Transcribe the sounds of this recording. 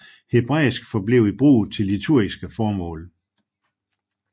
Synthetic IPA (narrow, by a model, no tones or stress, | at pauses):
he̝b̥ʁɛ̰ːsɡ̥fɒ̽ble̝ʊ̰ib̥ʁṵːð̩ˠt͡sʰe̝lːit͡sʰuɐ̰isɡ̥əfɒːmɔ̰̽ːl